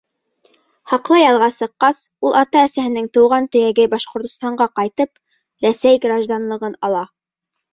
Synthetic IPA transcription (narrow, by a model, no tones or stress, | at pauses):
hɑqlˠɑjɑlˠʁɑsɤ̆qːɑsulˠɑt̪ɑæsæhɘ̆nɘŋt̪ɤ̆wʁɑnt̪ɵ̆jæɡɘbɑʃqŏɾt̪ŏst̪ɑɴɢɑqɑjt̪ɤp | ɾæsæjɡrɑʒd̪ɑnlˠɤ̆ʁɤnɑlˠɑ